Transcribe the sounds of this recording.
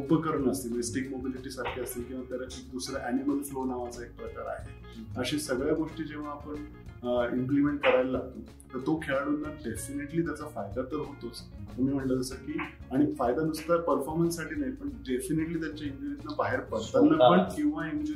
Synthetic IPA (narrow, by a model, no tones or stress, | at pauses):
upəkəɾuɳəst̪imesʈikmobiliʈiːsaɾkʰiəst̪ilkĩw̃ʋat̪jaɾaek̚d̪usɾaʔæniməlflonaʋat͡saek̚pɾəkaɾa̰ɦe | əɕĩsəɡɭjaɡoʂʈiːd͡ʑeʋ̤aːpəɳ | implimeɳʈ̚kəɾajllat̪oː | t̪əɾt̪okʰeɭaɽut̪nːaɖefineʈliːt̪jat͡safajd̪at̪əɾɦot̪ost̪umiːm̤əɳlələsəkiː | aɽ̃ifajd̪ad̪ust̪apəɾfɔɾmənsːaʈʰiːnaɦipəɳɖefineʈliːt̪̬jat͡ɕjaind͡ʑinit̪nabaɦeɾpəɾt̪anːapəɳkĩw̃ʋaɦemd͡ʑ